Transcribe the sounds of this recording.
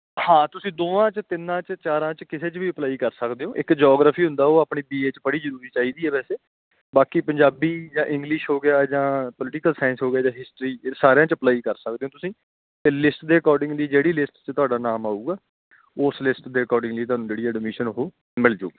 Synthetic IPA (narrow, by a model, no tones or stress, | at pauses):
hãːt̪ʊsĩːd̪oːãːt͡ʃət̪ɪnːãːt͡ʃət͡ʃaːɾãːt͡ʃkɪseːt͡ʃʋiːəplaːiːkəɾsəkd̪eːõːʔɪkd͡ʒɔːɡɾaːpʰiːɦʊ̃nd̪aːoːaːpɳiːbiːeːt͡ʃpəɽiːzəɾuːɾiːt͡ʃaːiːd̪iːɛːbɛːseː | baːkipəɲd͡ʒaːbiːd͡ʒãːʔɪ̃ŋɡlɪʃɦoːɡɪjaːd͡ʒãːpəlɪʈɪkəlsaːɪnsɦoːɡɪjaːd͡ʒãːɦɪsʈɾiːsaːɾjãːt͡ʃəplaːiːkəɾsək̚d̪eːõːt̪ʊsĩː | t̪eːlɪsʈd̪eːəkɔːɾɖɪ̃ŋɡliːd͡ʒeːɽiːlɪsʈt͡ʃət̪ʊaːɖaːnaːmaːuːɡaː | oːslɪsʈd̪eːəkɔːɾɖɪ̃ŋɡləiːt̪oʊɦaːnũːd͡ʒeːɽiːɛɖmɪʃənoɦoː | mɪld͡ʒo̰ːɡaː